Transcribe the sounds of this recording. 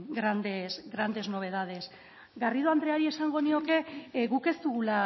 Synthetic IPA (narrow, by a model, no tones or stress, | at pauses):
ɡɾand̪esɡɾand̪e̞zno̞β̞e̞ð̞að̞e̞s | ɡariðoand̪ɾeaɾie̞saŋɡo̞nio̞ke̞ɣuke̞zt̪uɣula